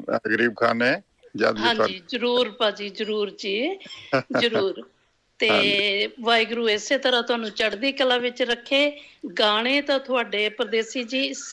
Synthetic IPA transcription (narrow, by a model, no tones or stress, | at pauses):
aɡɾiːb̚kʰa̰ːneː | d͡ʒa̰ːd̪ɦãːɲd͡ʒiːzəɾuːɾpãːd͡ʒiːzəɾuːɾd͡ʒiː | zəɾuːɾ | t̪eːʋaːɪɡɾũːeːseːt̪əɾãːt̪ʊaːnũːt͡ʃəɽd̪iːkəlãːʋɪt͡ʃɾəkʰːeːɡaːɽ̃eːt̪ãːt̪ʰʊaːɖeːpɾəd̪eːsiːd͡ʒiːs